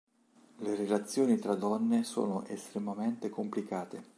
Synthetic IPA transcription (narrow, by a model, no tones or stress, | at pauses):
leɾelat̪sːjoːnit̪ɾad̪ɔnːeso̰ːnoʔest̪ɾemament̪ekomplikaːt̪e